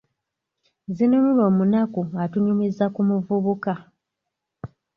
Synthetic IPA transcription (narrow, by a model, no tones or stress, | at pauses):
zinunulo̞ːmunakuatuɲumizakumuvuβuka